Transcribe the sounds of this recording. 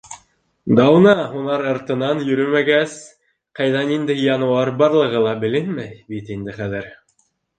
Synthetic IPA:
d̪ɑwnɑunɑɾɑɾt̪ɤ̆nɑnjɵ̆ɾɵmæɡæs | qɑjðɑnind̪ɘjɑnuɑɾbɑɾlˠɤ̆ʁɤlˠɑbɘ̆lɘnmæjbit̪ind̪ɘχæðɘɾ

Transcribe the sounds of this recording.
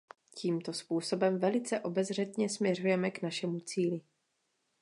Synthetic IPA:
cʰiːmt̪ospuːso̞bɛmvɛlɪt͡sɛʔo̞bɛzr̝ɛt̪ɲɛsmɲɛr̝ujɛmɛknaʃɛmut͡siːlɪ

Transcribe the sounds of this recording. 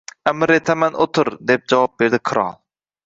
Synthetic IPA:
æmɪɾet̪ʰæmænot̪ʰʊɾd̪ep̚d͡ʒɑwɑp̚beɾd̪ɪqʰɨɾɑ̰lˠ

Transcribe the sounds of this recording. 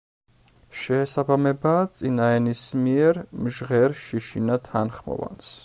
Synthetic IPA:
ʃɛːsabamɛbat̪sʼinaɛnismiɛɾmʒʁɛɾʃiʃinat̪ʰanχmɔ̰va̰ns

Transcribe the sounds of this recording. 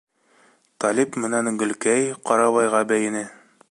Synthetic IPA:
t̪ɑlʲipmɘ̆nænɡɵ̆lkæjqɑɾɑβɑjʁɑbæjɘ̆nɘ

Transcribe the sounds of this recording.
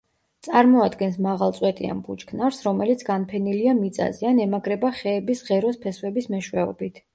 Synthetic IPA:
t̪sʼaɾmɔad̪ɡɛnsmaʁalˠt̪sʼwɛt̪ʼḭa̰nbut͡ʃkʰnaɾsɾɔmɛlit̪sʰɡanpʰɛniliamit̪sʼa̰zɛanɛmaɡɾɛbaχɛːbisʁɛɾɔspʰɛswɛbismɛʃwɛɔ̰bit̪ʰ

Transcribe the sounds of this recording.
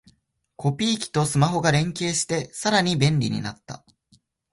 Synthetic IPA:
kʰo̞pʲiːkʲi̥t̪o̞sɨmaɦo̞ɡaɾẽ̞ŋke̞ːɕi̥t̪e̞saɾaɲ̟ibẽ̞nɾʲḭɲ̟ḭnat̪ːa̰

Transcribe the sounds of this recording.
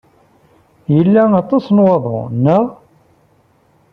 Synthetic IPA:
jəlːæɑt̪ˤɑsnwɑðˤo̰nːæ

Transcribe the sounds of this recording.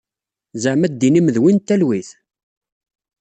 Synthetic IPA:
zəʕmæd̪ːiniməðwint̪ːælwiθ

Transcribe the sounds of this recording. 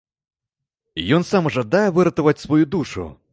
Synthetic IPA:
jɔnsamʐad̪ajɛvɨɾɐt̪ɐvɐt͡sʲsvɔjud̪uʂṵ

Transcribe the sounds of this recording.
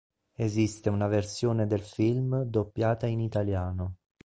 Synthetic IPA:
ezist̪eunaversjoːned̪elfilmd̪opːjaːt̪ainit̪aljaːno

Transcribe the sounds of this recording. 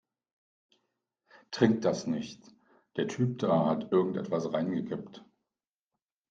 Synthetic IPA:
tʁ̥ɪŋk̚t̚d̥asnɪçt | d̥eːɐtʰyːp̚d̥aːhatʔɪɐɡŋ̩tʔɛ̰tv̥asʁaɪnɡəkʰɪpt

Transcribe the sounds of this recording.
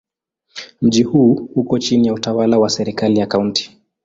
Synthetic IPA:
m̩ʄihuːhukɔt͡ʃinijautawalawasɛɾikalijakaunti̥

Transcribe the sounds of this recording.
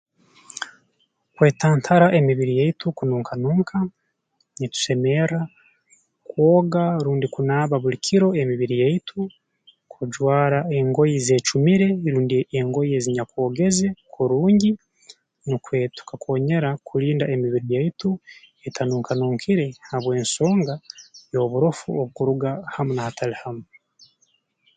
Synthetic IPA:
kwe̞ːtʰaːntʰaɾaʔe̞miβiɾijeitukunuːŋkanuːŋkʰa | nit̪u̥se̞me̞ɾa | kwoːɡaɾuːndikunaːβaβuɾikʰiɾo̞emiβiɾijeitʰu | kʰuɟwaːɾae̞ŋɡo̞jize̞ːt͡ʃumiɾe̞ɾuːndieŋɡo̞jeziɲakwo̞ːɡe̞ze̞kʰuɾuːɲɟi | nukwe̞ːtu̥kako̞ːɲe̞ɾakʰuɾiːndaʔemiβiɾijaitu | etʰanuːŋkanuːŋkʰiɾe̞haβwe̞ːnso̞ːŋɡajo̞βuɾofṵoβukuɾuɡahamunahatʰalihamo

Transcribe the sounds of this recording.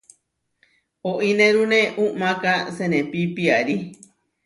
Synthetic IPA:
oʔinẽɾunẽʔuʔmãkasenẽpipiaɾi

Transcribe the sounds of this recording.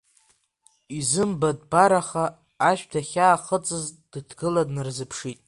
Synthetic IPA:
izɨmbad̚baɾaχaː | ʃᶣdʰaχʲaːχət͡sʼɨzd̥ɨtʰɡɨladnɨrzɨpʰʂitʼ

